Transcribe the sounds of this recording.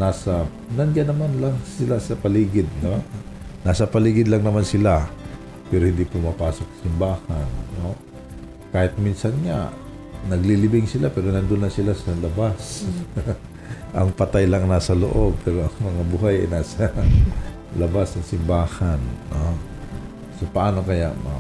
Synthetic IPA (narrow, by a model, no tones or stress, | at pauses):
naːsɐ | nɐnd͡ʒanɐmanlaŋsɪlasɐpɐliːɡɪd̪̚nonaːsɐpɐliːɡɪd̪lɐŋnɐmansɪla | pɛːɾohɪnd̪ipʊmapaːso̞k̚sɐ̥sɪmbaːhanno | kaːhɪt̪̚minsɐnɲa̰ | nɐɡlilɪbɪŋsɪlapɛːɾonɐnd̪onːɐsɪlasɐlɐbas | ʔɐŋpɐt̪ajlaŋnaːsɐlo̰ʔo̞b̚pɛɾoʔɐŋmɐŋabuɦajɐ̰jnaːsɐ | lɐbasnɐŋsɪmbaːhanːo | sopɐʔaːno̞kɐja̰ʔma̰